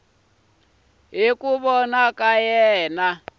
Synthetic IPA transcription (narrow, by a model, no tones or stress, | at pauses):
ɦikuβɔnakʼajɛːna